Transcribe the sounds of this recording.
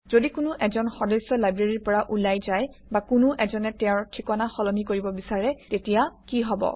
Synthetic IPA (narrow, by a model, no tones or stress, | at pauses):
zodikʊnʊʔɛzɔnxɔdɔjsɔlajbɹeɹiɹpɔɹaʔulajzaj | bakʊnʊʔɛzɔnɛtɛ̃ɹtʰikɔnaxɔlɔnikoɹibɔbisaɹɛtetijakiɦɔbɔ̰